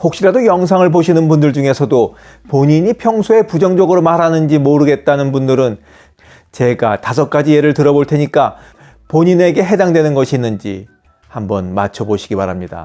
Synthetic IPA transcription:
hok̚ɕ͈iɾadojʌŋsʰaŋɯɭpoɕʰinɯnbundɯɭd͡ʑuŋe̞sʰʌdo | poɲiɲipʰjʌŋsʰoe̞pud͡ʑʌŋd͡ʑʌɡɯɾomaɾanɯnd͡ʑimoɾɯɡe̞t̚t͈anɯnbundɯɾɯn | t͡ɕe̞ɡatasʰʌk̚k͈ad͡ʑije̞ɾɯɭtɯɾʌboɭtʰe̞ɲik͈a | poɲine̞ɡe̞ɦe̞daŋdwenɯnɡʌɕʰiːnːɯnd͡ʑḭ | hambʌnmat͡ɕʰʌboɕʰi̥ɡibaɾɦamɲida̰

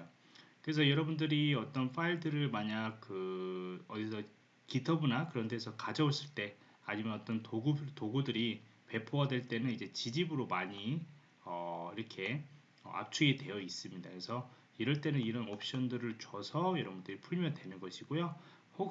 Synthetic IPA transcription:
kɯɾe̞s̬ʰʌjʌɾʌbundɯɾiʌt͈ʌnfʰaiɭdɯɾɯɭmaɲaɡ̚k͈ːɯʌdisʰʌ | kitʰʌbunakɯɾʌnde̞sʰʌkad͡ʑʌos͈ɯɭt͈e̞ | aɲimanʌt͈ʌntoɡutoɡudɯɾipe̞pʰoɦadwe̞ɭt͈e̞nɯnid͡ʑe̞t͡ɕid͡ʑibɯɾomaɲi | ʌiɾʌkʰe̞ | ʌ̰a̰p̚t͡ɕʰuedwe̞jʌis͈ɯmɲidakesʰʌ | iɾʌɭt͈e̞nɯniɾʌnʌp̚ʰɕ͈ʌndɯɾɯɭt͡ɕwʌsʰʌjʌɾʌbundɯɾipʰuɭmjʌndwe̞nɯnɡʌɕʰiɡ̥ojo | ho

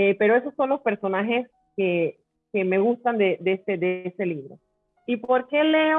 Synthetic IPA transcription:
epe̞ɾoe̞so̞sːo̞nlo̞spe̞ɾso̞naɦe̞s | ke | ke̞me̞ɣust̪and̪ed̪eesed̪eese̞liβɾo̞̰ | ipo̞ɾke̞leo

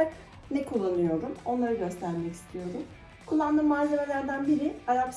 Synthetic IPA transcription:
ak | nɛkʰulˠːanɯjo̞ɾumo̞nlˠaɾɯɟø̞st̪ʰæɾmɛci̥st̪ʰijo̞ɾum | kʰulˠːand̪ɯːmːaːzʲeme̞lʲæɾd̪ænbiɾɪaɾaps

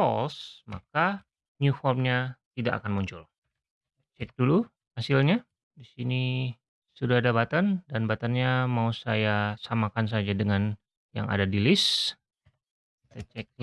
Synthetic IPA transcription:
fɔlsma̰ka | ɲufɔrmɲat̪idaka̰kanmuɲt͡ʃʊl | t͡ʃɛk̚dulu | hasilɲa | disini | sudadabat̪andanbat̪anɲamausajasamakans̬ad͡ʒadəŋan | ja̰ŋa̰dadilɪs | t̪ɛt͡ʃɛk̚

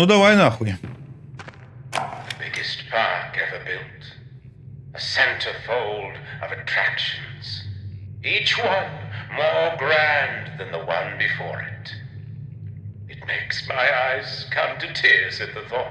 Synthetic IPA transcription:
ud̪ɔwajnɔxwi | ðɨbɪɡɨstpʰɑɹkɛvə˞bɪlˠt | əsɛ̃ntʰə̥˞foʊlˠdʌvɨtʰɹ̥ækʃɨ̃nz̥ | it͡ʃwʌ̃nmɔɹɡɹæ̃nðɨ̃nðəwʌ̃nbɨfɔ̰ɹɪ̰t | ɨt̚meɪksmaɪaɪz̥kʰʌ̃mtʰɨtʰɪɹsɛd̪̚ðəθɔ

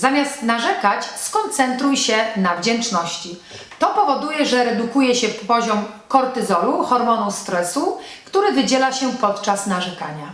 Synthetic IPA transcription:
zamʲjast̪naʐɛkat͡ɕskɔnt̪sɛnt̪ɾujɕɛnavd͡ʑɛnt͡ʂnɔɕt͡ɕi | t̪ɔpɔvɔd̪ujɛʐɛɾɛd̪ukujɛɕɛɔʑɔmkɔɾt̪ɘzɔluxɔɾmɔnust̪ɾɛsukt̪uɾɘvɘd͡ʑɛlaɕɛpɔt̪t͡ʂasnaʐɛkaɲa

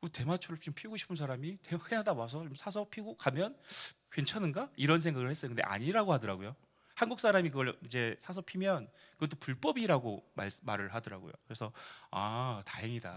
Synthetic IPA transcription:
kɯte̞mat͡ɕʰuɾɯɭompʰiɡoɕʰi̥pʰɯnsʰaɾamitehɯɡenɦadawasʰʌt͡ɕomsʰasʰʌpʰiɡokamjʌnkwe̞nt͡ɕʰanɯnɡaiɾʌns̬ʰeŋɡaɡɯɭhes͈ʌskɯndeʔa̰ɲiɾaɡohadʌɾaɡojo | hanɡuk̚s͈ʰaɾamikɯɡʌɭid͡ʑe̞sʰasʰʌpʰimjʌn | kɯɡʌt̬͈opuɭp͈ʌbiɾaɡoma̰ɭsmaɾɯɭɦadʌɾaɡo̰jo̰kɯɾe̞sʰʌataɦe̞ŋida̰

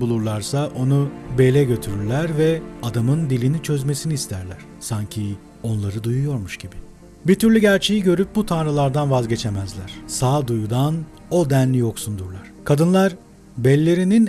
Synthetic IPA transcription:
bulˠuɾlˠaɾsaʔo̞nubelʲɛɟø̞t̪ʰyɾyɾlʲæɾvɛad̪amɯnd̪ilʲinit͡ʃʰø̞zme̞siniːst̪ʰæɾlʲæɾ̥saɲcʰi | o̞nlˠaɾɯd̪ujujo̞ɾmuʃɟibi | bit̪ʰyɾlʲyɟæɾt͡ʃʰe̞jiɟø̞ɾyp̚but̪ʰanɾɯlˠaɾd̪anvazɟe̞t͡ʃʰemæzlʲæɾ̥saːd̪ujud̪an | o̞d̪ænlʲijo̞ksund̪uɾlˠaɾ̥kʰad̪ɯnlˠaɾ | bɛlʲːe̞ɾinin

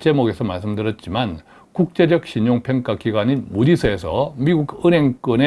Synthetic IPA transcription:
t͡ɕ͈e̞moɡe̞sʰʌmaɭs͈ɯmdɯɾʌt̚t͡ɕ͈iman | kuk̚t͡ɕ͈e̞d͡ʑʌk̚ɕ͈ʰiɲoŋpʰjʌŋk͈akiɡwaɲinmudisʰʌe̞sʰʌmiɡuɡɯnɦe̞ŋk͈ɯne

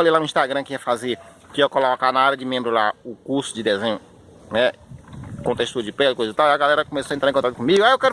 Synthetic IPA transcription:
lejlanʊ̃ĩʃt̪aɡɾɐ̃kɪiɐfaze | kɪewkɔlɔkanaaɾɐd͡ʒɪmẽmbɾʊlaʊkuɾsʊd͡ʒɪd̪ɛzẽɲʊ | nɛ | kõt̪eʃt̪uɾɐd͡ʒɪpɛlʊkojzɪt̪awiɐɡalɛɾɐkõmesoɐẽt̪ɾaẽkõt̪akt̪ʊkõmiɡʊaewkɛɾ

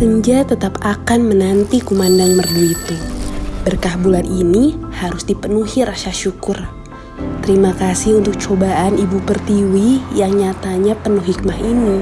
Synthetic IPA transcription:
səɲd͡ʒat̪ət̪apakanmənant̪ikumandaŋmərbuit̪ubərkahbulaninihaɾʊsdipənuhiɾasaʃukʊr | t̪əɾimakasɪhunt̪ʊk̚t͡ʃobaʔanibupərt̪iwijaŋɲat̪aɲapənuhɦik̚maɦini

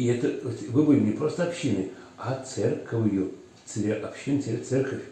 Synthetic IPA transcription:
ɪɛt̪ət̪ʲvɨbɨlʲɪnʲɪpɾo̞st̪əɐpɕːinɨ | at̪sɛrkəvjʊ | t̪sɨɾʲeʔɐpɕinsʲt̪sɛrkəfʲ

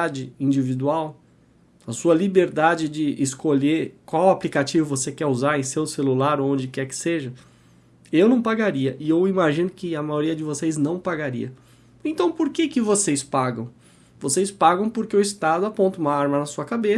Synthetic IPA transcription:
ad͡ʒɪĩd͡ʒivid̪uaw | ɐsuɐlibeɾd̪ad͡ʒɪd͡ʒɪʔɪskoʎeɾkwawaplikat͡ʃivʊvosekɛuzaɾẽj̃sewselulaɾõd͡ʒɪkɛɾkɪ̥seʒɐ | ewnɐ̃w̃paɡaɾiɐʔɪewimaʒĩnʊkɪɐmajoɾiɐd͡ʒɪvoseznɐ̃w̃paɡaɾḭɐ | ẽnt̪ɐ̃w̃poɾkekɪvosespaɡɐ̰̃w̃ | vosejspaɡɐ̃w̃poɾkeʊɪst̪ad̪ʊapõnt̪ɐũmɐaɾmɐnɐsuɐkabe

